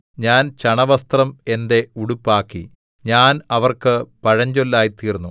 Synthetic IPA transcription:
ɲaːnt͡ɕɐɳɐʋɐst̪rɐme̞nde̞uɽupːaːkːḭ | ɲaːnɐʋɐrkɨpɐɻɐɲd͡ʑolːaːjit̪iːrnːu

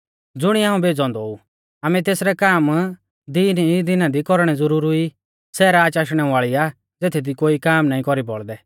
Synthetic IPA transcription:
d͡zʊɽ̃iaːũbeːd͡zɔ̃nd̪ɔu | aːmɛ̃t̪eːsɾɛkaːm | d̪iːnid̪ɪnãd̪ikɔɾɽ̃ɛd͡zʊɾuːɾʊi | sɛːɾaːt͡ʃaːʃɽ̃ɛʋaːɭia | d͡zeːt̪ʰid̪ikoːikaːmnaːĩkɔɾibɔ̰ɭd̪ɛ

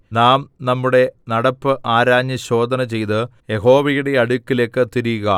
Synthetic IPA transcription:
naːmnɐmːuɽe̞nɐɽɐpːɨʔaːɾaːɲːɐɕo̞ːd̪ʱɐnɐt͡ɕe̞jt̪ɨjeɦo̞ːʋɐjuɽe̞ɐɽukʲːile̞ːkːɨt̪iɾijuɣɐ

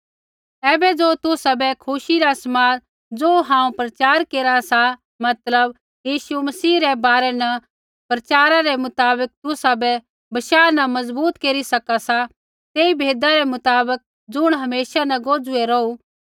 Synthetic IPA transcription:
ɛːbɛd͡zoːt̪ʊsabɛkʰʊʃiɾasmaːɾ | d͡zoːɦãːũpɾɐt͡ʃaːɾkeːɾasa | mɐt̪ləb | jiːʃumɐsiːɾɛbaːɾɛnɐ | pɾɐt͡ʃaːɾaɾɛmʊt̪aːbək̚t̪ʊsabɛ | bɐʃaːnɐmɐzbuːt̪keːɾisɐkasa | t̪eːibʱeːd̪aɾɛmʊt̪aːbək̚ | d͡zʊɽ̃ɦɐmeːsanɐɡoːd͡zʊeɾou

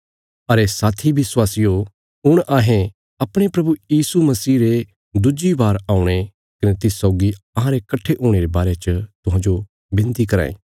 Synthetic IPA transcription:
ɐɾesaːt̪ʰibɪswaːsɪjo | ʊɽ̃ʔaːɦẽ | ɐpɽ̃epɾɐbujiːsumɐsiːɾe | d̪ʊd͡ʒibaːɾaːʊɽ̃e | kɐnet̪ɪssɔːʊɡiɐɦãɾekɐʈʰːeʔuːɽ̃eɾebaːɾet͡ʃət̪ʊɦãːd͡ʒo | bɪ̃nt̪ikɐɾa̰ːḛ̃ː

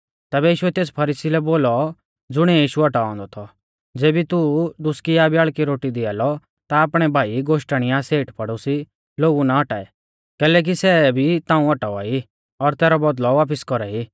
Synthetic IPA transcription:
t̪ɛːbɛjiːʃʊɛt̪eːspʰɐɾiːsilɛboːlɔ | d͡zʊɽ̃ɛjiːʃuɔʈaɔ̃ːnd̪ɔt̪ʰɔ | d͡zeːbit̪ud̪ʊskijabjaːɭkiɾoːʈid̪ɪaːlɔ | t̪aːpɽ̃ɛbʱaːiɡoːʃʈaɽ̃ɪjaseːʈpɐɽusi | loːɡunaɔʈaːɛ | kɛːlɛːk̬isɛbʱit̪ãːũɔʈaa̰ːi | ɔɾt̪ɛːɾɔbɔd̪lɔʋaːp̬ɪskɔɾai

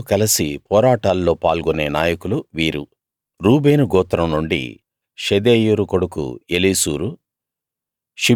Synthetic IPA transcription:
kɐlɐsipɔːɾaːʈaːlːo̞ːpaːlɡune̞ːna̰ːjɐkuluʋiːɾu | ɾuːbe̞ːnuɡɔːt̪ɾɐmnuɳɖḭ | ʃed̪eːjuɾukoɽukṵeliːsuːɾu | ʃi

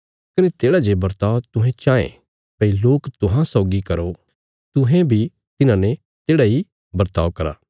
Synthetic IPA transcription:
kɐnet̪eːɽad͡ʒebɐɾt̪aːot̪ʊɦɛ̃t͡ʃaːḛ̃ | pɐiloːkt̪ʊɦãsaːʊɡikɐɾo | t̪ʊɦɛ̃bʱi | t̪ɪnãnɛ | t̪eːɽai | bɐɾt̪aːʋkɐɾa̰ː

